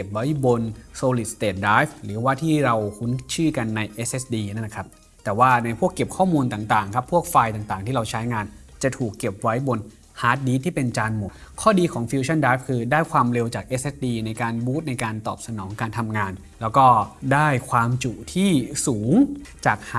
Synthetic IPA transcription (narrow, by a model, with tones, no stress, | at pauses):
ke˨˩p̚wa˦˥jbo˧nsoː˧li˨˩t̪̚st̪eː˨˩t̪̚dɾaː˦˥jfɾɯː˩˦waː˥˩t̪ʰiː˥˩ɾa˧wkʰu˦˥nt͡ɕʰɯː˥˩ka˧nːa˧jʔe˦˥sʔe˦˥sdiː˧na˦˥˩na˦kʰa˦˥p̚ | t̪ɛː˨˩waː˥˩na˧jpʰu˥˩əkːe˨˩p̚kʰɔː˥˩muː˧nt̪aː˨˩ŋt̪aː˨˩ŋkʰa˦˥pʰːu˥˩ək̚faː˧jt̪aː˨˩ŋt̪aː˨˩ŋt̪ʰiː˥˩ɾa˧wt͡ɕʰa˦˥jŋaː˧nt͡ɕa˨˩t̪ʰuː˨˩kːe˨˩p̚wa˦˥jbo˧n | haː˦˥t̪̚diː˧˥t̪ʰiː˥˩pe˧nt͡ɕaː˧nmo˨˩˦ | kʰɔː˥˩diː˧kʰɔː˩˦ŋfi˧wt͡ɕʰa˥˩ndɾaː˦˥jfkʰɯː˧daː˥˩jkʰwaː˧mɾe˧wt͡ɕaː˨˩k̚ʔe˦˥sʔe˦˥s̚diː˧na˧jkaː˧nbuː˦˥t̪̚na˧jkaː˧nt̪ɔ̰ː˨˩p̚sa˧nɔː˩˦ŋkaː˧nt̪ʰa˧mŋaː˧n | lɛː˦˥wkɔː˥˩daː˥˩jkʰwaː˧mt͡ɕu˨˩t̪ʰiː˥˩suː˩˦ŋt͡ɕaː˨˩k̚ha˥